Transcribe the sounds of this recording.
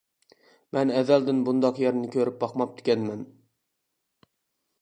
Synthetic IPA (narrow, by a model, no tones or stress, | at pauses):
mɛnɛðæld̪ɪnbund̪ɑqjɛɾnɪkʲʰøɾɪp̚bɑqmɑp̚d̪ɪ̥kʲʰɛnmɛn